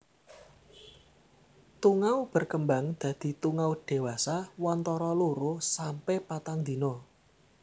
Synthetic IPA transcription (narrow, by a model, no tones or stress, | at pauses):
t̪uŋawb̥ə̤rkəmba̤ŋd̪̥ä̤d̪̥i̤t̪uŋawd̥e̤wasawɔnt̪ɔɾɔluɾosampɛpat̪aŋd̪i̤nɔ